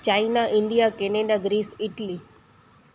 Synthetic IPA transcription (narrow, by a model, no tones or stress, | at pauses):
t͡ʃainaʔɪ̃ɳɖijakeneɖaɡɾiːsɪʈli